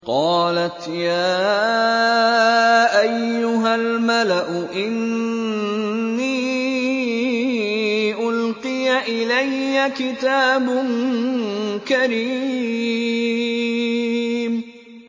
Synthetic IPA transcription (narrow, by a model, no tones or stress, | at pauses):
qɑːlat̪jaː | ʔajːʊɦalmalaʔʊʔɪn | iː | ʔʊlqɨjaʔɪlajːakɪt̪aːbʊn | kaɾiː | m